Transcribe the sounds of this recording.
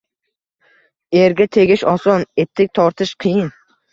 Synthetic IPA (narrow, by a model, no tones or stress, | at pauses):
eɾɡʲat̪ʰe̞ɡʲɪʃɒsɒnet̪ʰːɪk̚ʲt̪ʰɒɾt̪ʰɪʃqʰɨjɪn